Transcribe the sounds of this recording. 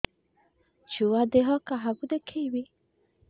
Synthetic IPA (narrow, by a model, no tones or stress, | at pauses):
t͡ʃuwad̪eɦɔkaɦabud̪ekʰewi